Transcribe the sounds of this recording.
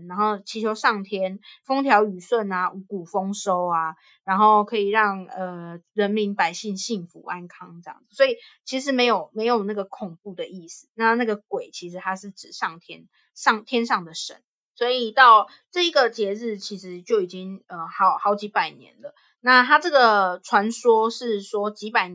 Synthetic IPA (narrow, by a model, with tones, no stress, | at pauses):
ɻa˧˥nxo˥˩ʊt͡ɕʰi˧˥t͡ɕʰjo˧˥ʊʂɑ˥˩ŋt̪ʰjɛ˥nfo˥ŋt̪ʰjɑ˧˥ʊy˨˩swə˥˩na˨ʔu˧˥ku˨˩fo˦ŋʂo˦ʊa˧ | ɻa˧˥nxo˥˩ʊkʰɤ˧˦˥i˨˩ɻɑ˥˩ŋə˨˩ɻə˧˥nmi˧˥ŋpa˨˩ɪɕi˥˧ŋɕi˥˩ŋfṵ˧˥ʔa˦nkʰɑ˦ŋʈ͡ʂɤ˥˧jɑ̰˥˨˩ŋd͡z̩˨˩swɔ˧˥i˨˩t͡ɕʰi˧˥ʂ̬ɻ̩˧˥me˧˥ɪjo˨˩ʊme˧˥ɪjo˨˩ʊna˥˩ɡə˩kʰʊ˨˩ŋpu˥˩d̪ə˨ʔi˥˩s̩˨˩na˥˧na˥˩ɡə˩kwe˨˩ɪt͡ɕʰi˧˥ʂɻ̩˧˥t̪ʰa˥ʂɻ̩˥˩ʈ͡ʂɻ̩˨˩ʂɑ˥˩ŋt̪ʰjɛ̰˥n | ʂɑ˥˩ŋt̪ʰjɛ˥nʂɑ˥˩ŋd̪ə˩ʂə̰˧˦n | swɔ˧˥i˨˩t̪ɑ˥˩ʊ | ʈ͡ʂɤ˥˩i˧˦˥ɡə˨t͡ɕjɛ˧˥ɻ̩˥˩t͡ɕʰi˧˥ʂɻ̩˧˦t͡ɕjo˥˩ʊi˨˩t͡ɕi˦ŋə˨˩xɑ˧˦ʊxɑ˧˥ʊt͡ɕi˧˥pa˨˩ɪnjɛ̰˧˦nlə˨ | na˥˧t̪ʰa˥ʈ͡ʂɤ˥˩ɡə˨˩ʈ͡ʂʰwa˧˥nswɔ˥ʂɻ̩˥˩swɔ˥t͡ɕi˧˥pa˨˩ɪ